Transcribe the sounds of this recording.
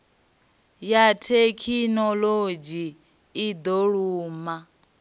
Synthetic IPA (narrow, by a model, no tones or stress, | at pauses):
jatʰekʰinɔlod͡ʒiː | d̪ɔɺuːma